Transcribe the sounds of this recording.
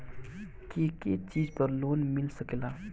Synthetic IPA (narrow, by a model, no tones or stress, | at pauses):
kiket͡ʃid͡ʒpəɾloːnmɪlsəkela